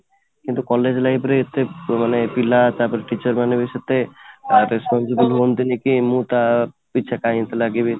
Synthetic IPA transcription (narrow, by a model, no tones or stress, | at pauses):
kint̪ukɔled͡ʑlaipɾeet̪ʰːemanepilat̪aɾpɔɾeʈit͡ɕaɾmanebiʃat̪ːeɾespɔnsibulɦont̪inikimũt̪a | piːʃʰakajint̪elaɡibe